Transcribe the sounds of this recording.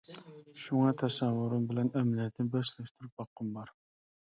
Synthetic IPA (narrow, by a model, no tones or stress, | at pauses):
ʃuŋɑt̪ʰɛsɛvːʊɾɨmbɪlɛnɛmlijɛt̪nɪbɑʃlɛʃt̪ʰuɾup̚bɑqːəmbɑɾ